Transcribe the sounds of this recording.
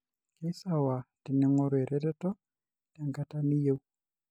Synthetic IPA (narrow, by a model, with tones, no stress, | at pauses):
ke˦sa˦˨wa˨tɪ˨nɪ˨˦ŋɔ˦ɾe˨ɾɛ˦tɛ˦tɔ˦ | ta˨ŋɡa˦ta˦ni˦je˦w